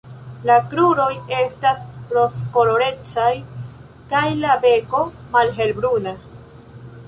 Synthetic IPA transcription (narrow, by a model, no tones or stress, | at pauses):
lakɾuɾo̞je̞stasplo̞skolo̞ɾe̞t͡saj | kajlabe̞ko̞ | malɦe̞lbɾuna